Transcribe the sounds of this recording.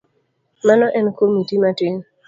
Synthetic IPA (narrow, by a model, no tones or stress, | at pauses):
manɔʔɛnkomitimatɪŋ